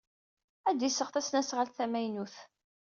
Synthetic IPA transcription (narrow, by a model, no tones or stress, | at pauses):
æd̪isəʁθæsnæsʁəlt̪θæmæjnuθ